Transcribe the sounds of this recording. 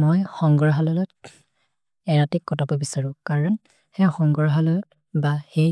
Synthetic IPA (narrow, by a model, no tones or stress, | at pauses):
mɔjxɔŋɡɔɹɦalɔlɔt̚ | ɛɹatikkːɔtapɔbisaɹʊ̃kaɹɔn | hɛxɔŋɡɔɹɦalɔlɔt̚ | bahe